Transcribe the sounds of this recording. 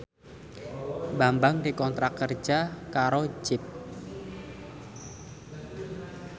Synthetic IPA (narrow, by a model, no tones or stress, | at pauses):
bambaŋdikɔnt̪ɾakər̥d͡ʒakaɾo̥d͡ʒ̥ɪp̚